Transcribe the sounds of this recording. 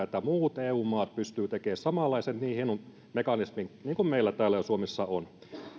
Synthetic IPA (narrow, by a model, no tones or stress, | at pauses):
et̪ːæmuːt̪eːuːmɑːt̪̚pyst̪yːt̪ekeːssɑmɑlːˑɑisenniːhenu | mekɑnismiŋniːŋkummeilːæt̪æːlːæjosuomesːɑon